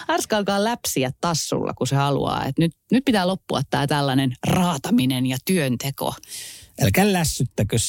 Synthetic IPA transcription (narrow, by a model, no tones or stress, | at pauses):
ɑrskɑːlkɑːllæpsiæt̪t̪ɑsːṵlːɑ̰kusehɑlṵɑ̰ːḛt̪nyt̪nyt̪̚pit̪æːlopːuɑt̪t̪æːt̪ælːɑnenrɑːt̪ɑminenjɑt̪yønt̪eko̰elkælːæsːyt̪ːækøs